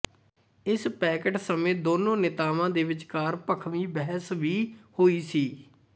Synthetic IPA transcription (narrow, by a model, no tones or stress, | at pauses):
ɪspɛːkəʈsəmẽːd̪oːnõːnɪt̪aːʋãːd̪eːʋɪt͡ʃkaːɾpəkʰʋiːbɛɦəsʋiːhoːiːsiː